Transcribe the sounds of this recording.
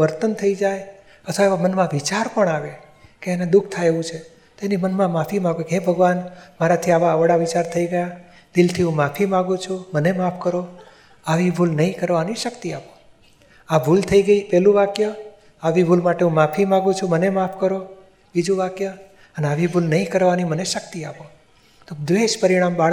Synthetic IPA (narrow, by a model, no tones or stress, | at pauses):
ʋəɾt̪ənt̪ʰəid͡ʒaj | ət̪ʰʋaeʋamənmãʋit͡ʃaɾpəɳaʋe | keened̪uk̚ʰt̪ʰajeʋũt͡ʃʰe | t̪oenimənmãmafimãɡukeɦebʱəɡʋanmaɾat̪ʰiaʋaəʋɽaʋit͡ʃaɾt̪ʰəiɡəja | d̪ɪlt̪ʰiɦũmafimãɡũt͡ʃʰumənemapʰkəɾo | aʋibʱulnəĩkəɾʋaniʃəkt̪iapo | abʱult̪ʰəiɡəipɛlũʋakjo | aʋibʱulmaʈeɦũmafimãɡũt͡ʃʰũmənemapʰkəɾo | bid͡ʒũʋakjo | əneaʋibʱulnəĩkəɾʋaniməneʃək̚t̪iapo | t̪od̪ʋeʃpəɾiɽ̃ambaɭ